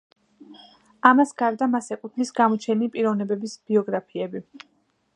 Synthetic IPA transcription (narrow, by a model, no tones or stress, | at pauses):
amasɡaɾd̪amasɛkʼut̪ʰnisɡamɔt͡ʃʰɛnipʼiɾɔvnɛbɛbisb̥iɔɡɾapʰiɛbi